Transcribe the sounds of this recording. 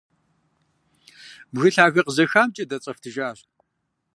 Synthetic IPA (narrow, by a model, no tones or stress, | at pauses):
bɣɨɬaːɣɐqəzɐxaːmt͡ʃʼɐdɐt͡sʼɐftʰɨʒaːɕ